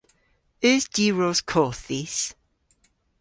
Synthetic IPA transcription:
œːzd̥iːɹoz̥kʰɔːˑθis

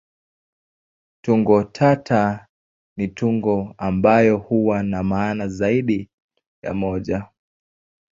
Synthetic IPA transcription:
tuŋɡɔtʰatʰa | nituŋɡɔambajɔhuwanamaːnazaiɗi | ja̰mɔʄa

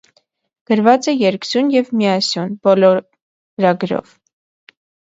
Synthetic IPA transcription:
ɡ̥əɾvɑt͡sɛjɛɾkzunjɛvmiɑsjunbɔlɔ | ɾɑɡɾɔ̰v

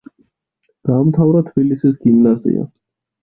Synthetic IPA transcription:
ɡ̪̥aːmt̪ʰavɾat̪ʰb̥ilisisɡimnazḭa̰

